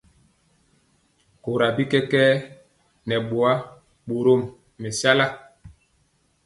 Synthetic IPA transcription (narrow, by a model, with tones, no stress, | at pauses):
ko˨ɾa˨bi˦kɛ˦kɛː˦ | nɛ˨ɓo˨a˦ | ɓo˨ɾo˦˨mː | ɛ˨sa˦la˦